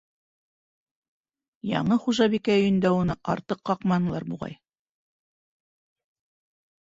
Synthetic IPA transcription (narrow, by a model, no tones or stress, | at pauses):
jɑ̰ɴɤχuʒɑβikæɵ̆jɘ̆nd̪æunɤʔɑ̰ɾt̪ɤqːɑqmɑnɤ̆lˠɑɾbṵʁɑ̰j